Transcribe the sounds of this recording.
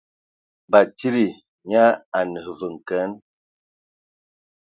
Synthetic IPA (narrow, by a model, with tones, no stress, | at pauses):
ba˨ti˦ɾi˨ | ɲa˦a˨nə˨və˨ŋ˨kə˦n